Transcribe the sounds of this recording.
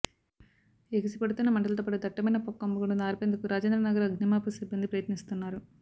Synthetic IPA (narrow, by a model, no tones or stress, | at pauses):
eɡisipeɽut̪unːɐmɐɳʈɐlɐt̪oːpɐʈid̪ɐʈːɐmɐjnɐpɔkːɐmbuɡuɽunaːɾpend̪ukuɾaːd͡ʒend̪ɾɐnɐɡɐɾɐɡnimaːpusibːɐnd̪ipɾɐjɐt̪nist̪unːaːɾu